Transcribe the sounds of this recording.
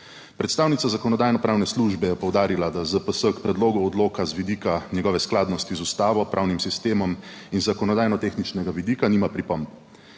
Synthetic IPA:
pɾɛt̪st̪aːwnit̪sazakɔnɔd̪aːjnɔpɾaːwnɛsluʒbɛjɛpɔwd̪aːɾilad̪azəpəsəkpɾɛd̪loːɡuɔd̪loːkazʋid̪iːkanjɛɡɔːʋɛsklaːd̪nɔst̪izust̪aːʋɔpɾʔawnimsist̪eːmɔm | inzakɔnɔd̪aːjnɔt̪eːxnit͡ʃnɛɡaʋid̪iːkaniːmapɾipɔmt̪

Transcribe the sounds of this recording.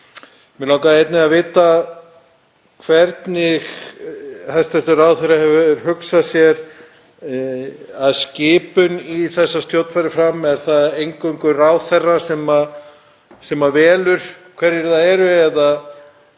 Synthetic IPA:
mɛlawkaðejt̪nɪavɪːt̪a | kʰvɛɾt̪nɪx | hast̪ɛft̪ʏɾawθɛrahɛvʏɾhʏksasjɛɾ | aðscɪːpʏniθɛsːast̪jowt̪fajɾɪfɾamɛɾ̥θaðejŋkœŋkʏraːwθɛrːasɛma | sɛmavɛːlʏɾ̥kʰvɛɾjɪɾθaɛɾʏɛðað

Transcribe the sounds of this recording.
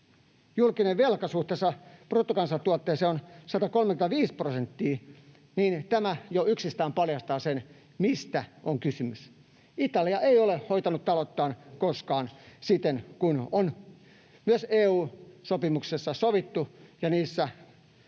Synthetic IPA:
julkineʋʋelkɑsuht̪esɑprot̪ːokɑnsɑt̪uot̪ːeːseonsɑt̪ɑkolmekymt̪ɑʋiːsprosent̪ːiː | niːnt̪æmæjoyksist̪æːmpɑljɑst̪ɑːsen | mist̪æʔoŋkysymys | it̪ɑliɑʔeiolehoit̪ɑnut̪t̪ɑlot̪ːɑːnkoskɑːnsit̪enkunon | myøseːuːsopimuksesːɑsoʋit̪ːujɑniːsːæ

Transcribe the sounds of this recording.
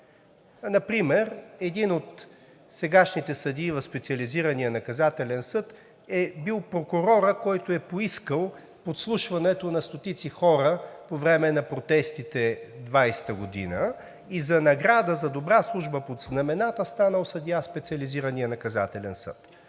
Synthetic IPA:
nɐpɾimɛɾɛd̪inot̪ | sɛɡaʃnit̪ɛsɐd̪ivɐfspɛt̪siɐliziɾənijənɐkɐzat̪ɛlɛnsɤt̪ | ɛbilˠpɾokʊɾɔɾəkɔjt̪oɛpoiskəlˠ | pot̪slˠuʃvɐnɛt̪onɐst̪ot̪it̪sixɔɾəpovɾɛmɛnɐpɾot̪ɛst̪it̪ɛd̪vajst̪əɡod̪ḭnə | izɐnɐɡɾad̪əzɐd̪obɾaslˠuʒbəpod̪znɐmɛnat̪əst̪anəlˠsɐd̪ijaspɛt̪sʲiɐliziɾənijənɐkɐza̰t̪ɛlɛnsə̰t̪

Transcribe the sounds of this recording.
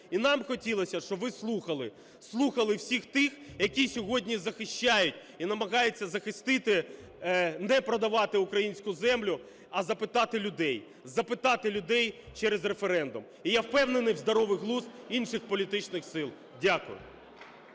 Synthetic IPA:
inɑmxɔtʲilˠɐsʲɐʃt͡ʃɔbʋɪslˠuxɐlˠɪ | slˠuxɐlˠɪwsʲixt̪ɪxjɐkʲisʲɔɦɔdʲnʲizɐxɪʃt͡ʃajʊtʲ | inɐmɐɣɑjet͡sʲːɐzɐxɪst̪ɪt̪ɪ | nɛpɾɔd̪ɐʋɑt̪ɪʊkɾɐjinʲsʲkʊzɛmlʲʊ | ɐzɐpɪt̪ɑt̪ɪlʲʊd̪ɛj | zɐpɪt̪ɑt̪ɪlʲʊd̪ɛjt͡ʃɛɾezrefeɾɛnd̪ʊm | ijawpɛwnenɪjwzd̪ɐɾɔʋɪɦlˠusinʃɪxpɔlʲit̪ɪt͡ʃnɪxsɪlˠ | dʲakʊ̰jʊ̰

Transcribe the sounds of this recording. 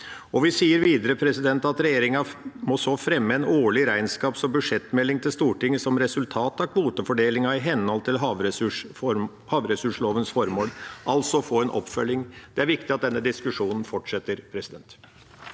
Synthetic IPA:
ɔʋɪsiːəɾʋiːd̪əɾəpʰɾɛsɪd̪ɛnt̪ɑt̪ɾɛjeːɾɪŋɑmɔsɔfɾɛmːəɛnoːɭɪɾæɪnskɑːpsɔmbʉʂɛt̪ːmɛlːɪŋt̪ʰɪlst̪uːʈɪŋːəsɔmɾɛsʉlt̪ʰɑːt̪ɑkʰʋuːt̪əfɔɖeːlɪŋɑɪɦɛnhɔlt̪ʰɪlɦɑʋʂ | hɑːʋɾɛsʉʂloːʋənsfɔɾmoːlʔɑlsɔfoːɛnʔɔ̰pːfœlːɪŋd̪̥ɛæɾʋɪkt̪ɪɑt̪̚d̪ɛnːəd̪ɪskʉʂuːnən̩fɔʈʂɛt̪ːəɾpʰɾɛsɪd̪ɛnt̪

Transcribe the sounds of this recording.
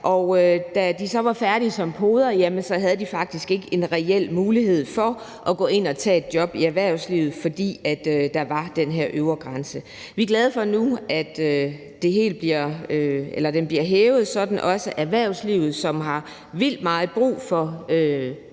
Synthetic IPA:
ʔɒʊød̥æd̥isɒ̽ʋɑ̈fæɐɾ̥isɒ̽mpʰoːð̞ˠɐjæmənsɒ̽ɦæð̞̩ˠəd̥ifɑ̈ɡ̥̚d̥isɡ̥e̝ɡ̥əʔe̝nʁɛel̰muːlihe̝ð̞̰ˠfɒ | ʔɒ̽ɡ̥ɔ̽ːe̝n̰ɒ̽t͡sʰɛ̰ːe̝d̥̚d̥jɒ̽b̥iæɐʋæɐ̰ʊsliʊð̩ˠfɒ̽d̥ḭːæd̥ød̥ɑ̈ʋɑ̈d̥enɦeɐ̰ʔøʊɐɡ̥ʁɑ̈nsə | ʋiɡ̥lɛð̞ˠəfɒ̽nuæd̥ø | d̥e̝ɦe̝̰ːld̥̚b̥liɐøelɐd̥enb̥liɐɦeːʊð̩ˠsɒ̽d̥n̩ʔɒ̽səʔæɐʋæɐ̰ʊsliʊ̰ð̞̩ˠsɒ̽mɦɑ̈ | ʋil̰d̥mɑ̈ːð̩ˠb̥ʁṵːfɒø

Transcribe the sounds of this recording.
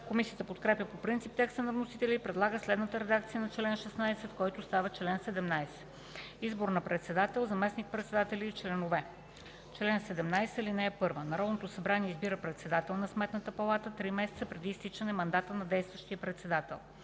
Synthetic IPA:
komisijət̪əpot̪kɾɛpʲjəpopɾint̪sip̚t̪ɛkst̪ənɐvnosit̪ɛlʲiːpɾɛd̪lˠaɡəslɛd̪nət̪əɾɛd̪akt̪sijənɐt͡ʃlɛnʃɛsnajsɛt̪kɔjt̪ost̪avət͡ʃlɛnsɛd̪ɛmnajsɛ̥ | izboɾnɐpɾɛt̪sɛd̪at̪ɛlˠzɐmɛsnik̚pɾɛt̪sɛd̪at̪ɛlʲiːt͡ʃlɛnovɛ | t͡ʃlɛnsɛd̪ɛmnajsəlinɛːpɤɾvənɐɾɔd̪not̪osɐbɾaniɛizbiɾəpɾɛt̪sɛd̪at̪ɛlˠnɐsmɛt̪nət̪əpɐlˠat̪ət̪ɾimɛsɛt̪səpɾɛd̪iːst̪it͡ʃənɛmɐnd̪at̪ənɐd̪ɛjst̪vəʃt̪ijəpɾɛt̪sɛd̪at̪ɛ̰lˠ

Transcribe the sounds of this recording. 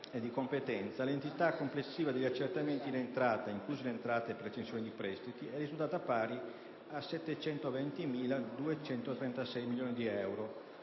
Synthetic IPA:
ed̪ːikompet̪ɛnt̪salent̪it̪akːomplesːiːvad̪eʎːat͡ʃːert̪ament̪ilent̪ɾaːt̪aiŋkluːzilent̪ɾaːt̪eepːeɾet͡ʃensjoːnid̪ipɾɛst̪it̪iɛrːizult̪aːt̪apaːɾi | asɛt̪ːet͡ʃɛnt̪ovɛnt̪imiːlad̪uet͡ʃɛnt̪ot̪ɾɛnt̪asɛjmiljoːnid̪iɛwɾo

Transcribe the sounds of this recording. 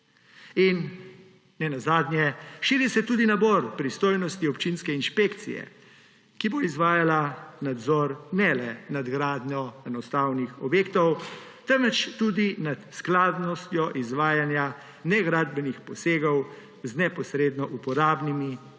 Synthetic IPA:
in | nɛnazaːd̪nʲjɛʃiːɾisɛt̪uːd̪inabɔɾpɾist̪oːjnɔst̪iɔpt͡ʃinskɛinʃpekt̪sḭjɛ̰ | kiboizʋaːjalanad̪zɔɾnɛlɛnad̪ɡɾaːd̪njɔɛnɔst̪aːwnixɔbjeːk̚t̪ɔw | t̪əmʋɛt͡ʃt̪uːd̪inat̪sklaːd̪nɔst̪jɔʔizʋaːjanja | nɛɡɾaːd̪bɛnixpɔseːɡɔw | znɛpɔsɾeːd̪nɔʔupɔɾaːbnimi

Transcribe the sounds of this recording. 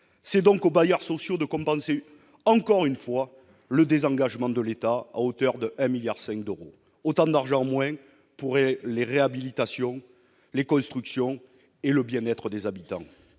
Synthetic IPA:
sɛd̪ɔ̃ŋkobajœʁsɔsjod̪əkɔ̃mpɑ̃se | ɑ̃kɔʁynfwa | ləd̪ezɑ̃ŋɡaʒəmɑ̃d̪əlet̪aa̰ot̪œʁd̪əɛ̃miljaʁsɛ̃ŋk̚d̪øʁo | ot̪ɑ̃d̪aʁʒɑ̃mwɛ̃ | puʁeleʁeabilit̪asjɔ̃ | lekɔ̃st̪χyksjɔ̃ | eləbjɛ̃nɛt̪χəd̪ezabit̪ɑ̰̃

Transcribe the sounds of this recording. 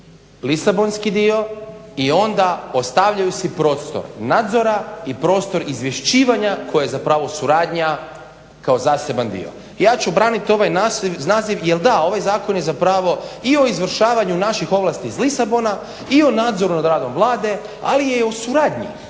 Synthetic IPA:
lisabo̞nskid̪io̞io̞nd̪aost̪aʋʎajusipɾo̞ːt̪st̪o̞̰ɾnaːd̪zo̞ɾaipɾo̞ːt̪st̪o̞ɾizʋje̞ʃt͡ɕiːʋaɲakʰo̞jajezapɾaːʋosuɾaːd̪ɲa | kao̞zaːse̞band̪ḭo̞̰ | jaːt͡ɕubɾaːnit̪o̞ʋajnanaːziʋjelˠd̪ao̞ʋajzaːko̞njezapɾaːʋo̞io̞izʋr̩ʃaːʋaɲunaʃixo̞ʋlˠaːst̪izlisabo̞na | io̞naːd̪zo̞ɾunad̪ɾaːd̪o̞mvlˠaːd̪e̞ | a̰lijeosuɾaːd̪ɲḭ

